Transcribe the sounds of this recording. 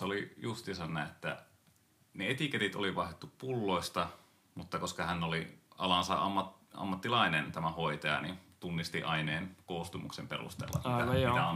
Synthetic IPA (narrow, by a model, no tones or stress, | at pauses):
eolijust̪isɑnːæet̪ːæ̰ | neet̪iket̪it̪o̰liʋɑihet̪ːuppulːoist̪ɑ | mut̪ːɑkoskɑhænːoliɑlɑnsɑɑ̰mːɑt | ɑ̰mːɑt̪ːilɑinent̪æmæhoit̪ɑjɑ̰nḭnt̪unːist̪iʔɑineːnkoːst̪umṵksemperṵst̪ḛlːɑ̰t̪ːæiæon